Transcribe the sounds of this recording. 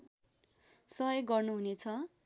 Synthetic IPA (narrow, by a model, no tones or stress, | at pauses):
sʌʌjɡʌrnuɦunet͡sʰʌ